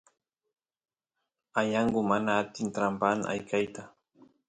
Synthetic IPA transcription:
ajaɴɢʊmanaːt̪ɪnt̪ɾampan̰ʔa̰jkajt̪a

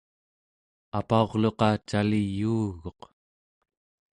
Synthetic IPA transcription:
apao̞ʁlo̞qɑt͡ʃalijuːɣo̞q

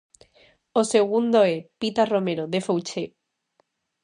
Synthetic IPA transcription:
ose̞ɣ̞und̪oepit̪aro̞me̞ɾoðe̞fowt͡ʃe

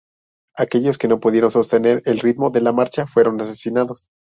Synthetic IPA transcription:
ake̞ʝo̞ske̞no̞puðje̞ɾo̞nso̞st̪ene̞ɾe̞lrit̪mo̞ðe̞lamaɾt͡ʃafwe̞ɾo̞nase̞sinaðo̞s

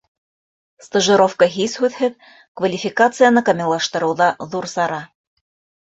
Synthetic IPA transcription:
st̪əʒɨ̆ɾofkəɦishʉðhɘð | kvɐlʲifʲɪkat̪sɨjənɤkɑmʲɪlˠɑʃt̪ɤ̆ɾɤ̆wðɑðuɾsɑɾɑ

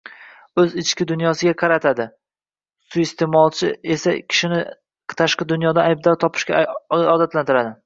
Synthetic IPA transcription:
ɵzɪt͡ʃkʲɪd̪ʊnjɒsɪɡʲaqʰɑɾat̪ʰad̪ɪ | sʊest̪ʰe̞mɒlˠt͡ʃʰɪe̞sakʲʰɪ̥ʃɪnɪ | t̪ʰaʃqɨd̪ʊnjɒd̪aajb̚d̪ɒɾt̪ʰɒpʰɪ̥ʃkʲaɒd̪at̪lant̪ɪɾad̪ɪ

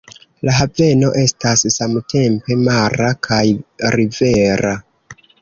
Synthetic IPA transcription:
laɦave̞no̞ʔe̞stasːamtʰe̞mpe̞maɾakʰajɾive̞ɾa

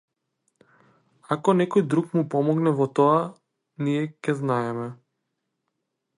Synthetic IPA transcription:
akɔnɛkɔjd̪ɾukmupɔmɔɡnɛvɔt̪ɔa | niɛkɛznaɛmɛ

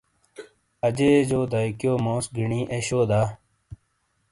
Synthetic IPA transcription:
ɐd͡ʑeːd͡ʑoːd̪ajkjoːmõːsɡiɳĩːʔeɕoːd̪aː

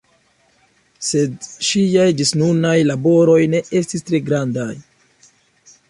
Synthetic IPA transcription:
se̞dʃiajdisnunajlabo̞ɾo̞jne̞e̞stistɾe̞ɡɾandaj

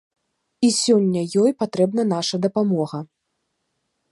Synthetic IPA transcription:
isʲɔnʲːɐjɔjpat̪ɾɛbnɐnaʂɐd̪ɐpamɔɣɐ

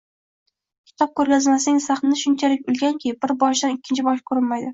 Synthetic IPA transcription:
kʲʰɪ̥t̪ʰɒp̚kʲʰɵɾɡʲazmasɪnɪŋsaχnnɪʃʊnt͡ʃʰalɪkʲʊlˠɡʲaŋkʲʰej̚bɪɾbɒʃd̪anɪkʲːɪnt͡ʃʰɪbɒʃkʰɵɾɪnmajd̪ɪ

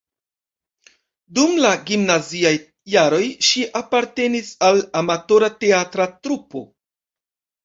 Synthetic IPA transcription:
dumlaɡimnaziaj | jaɾo̞jʃiʔapaɾte̞nisalamato̞ɾate̞atɾatɾupo̞̰

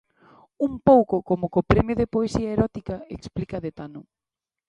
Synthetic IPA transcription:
umpowkʊkomʊkopɾɛmjʊðepoesiaeɾɔt̪ikɐeksplikɐðet̪anʊ

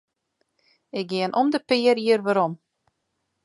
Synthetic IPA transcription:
ɪk̚ɡɪənʔɔmdəpɪəɾiərʋaɾɔm

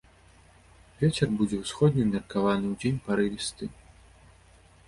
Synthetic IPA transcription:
vʲet͡sʲɛrbud͡zʲɛwsxɔd̪̚ʲnʲimʲɛrkavanɨwd͡zʲenʲpaɾɨvʲist̪ɨ

